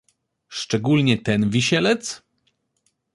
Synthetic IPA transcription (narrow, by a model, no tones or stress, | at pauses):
ʂt͡ʂɛɡulɲɛt̪ɛnvʲiɕɛlɛt̪s